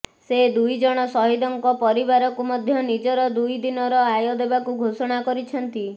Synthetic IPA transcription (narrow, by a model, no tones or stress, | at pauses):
sed̪ujd͡ʒɔɽ̃ɔsɔɦid̪ɔŋkɔpɔɾibaɾɔkumɔd̪ʱjɔnid͡ʒɔɾɔd̪ujd̪inɔɾɔajɔd̪ebakuɡʱosɔɽ̃akɔɾit͡ʃʰɔnt̪i